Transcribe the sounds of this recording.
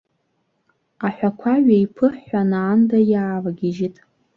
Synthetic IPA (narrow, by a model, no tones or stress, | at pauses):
aħʷᶣakʷʰaɥaipʰɨħːʷanaːndajaːvaɡʲiʒitʼ